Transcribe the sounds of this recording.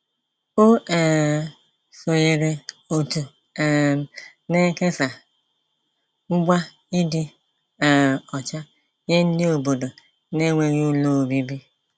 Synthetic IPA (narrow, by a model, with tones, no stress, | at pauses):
o˦e˨ | so˨je˨ɾe˨o˨tu˨ | ne˦ke˦sa˨ | ʊ˦ɡ͡bʷa˦ | ɪ˦dɪ˦˨ | ɔ˨t͡ʃa˦ | ɲe˦n̩˦dɪ˦o˨bo˨do˨ | ne˦ŋʷe˨ɣi˦u˦lo˦˨bi˦bi˦